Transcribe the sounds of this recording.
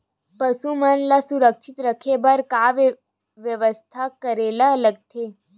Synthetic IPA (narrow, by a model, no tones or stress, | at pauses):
pəsumənlasuɾəkʃit̪ɾəkʰebəɾkaʋ | ʋjəʋəst̪ʰakəɾelaələɡ̚t̪ʰe